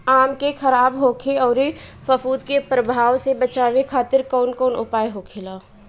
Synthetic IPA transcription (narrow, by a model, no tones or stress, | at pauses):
aːmkexɐɾaːbɦoːkʰeɔːɾefəfuːd̪kepɾəbʱaːwsebət͡ʃaːwekʰaːt̪ɪɾkɔːnkɔːnʔʊ̰paːjɦoːkʰelaː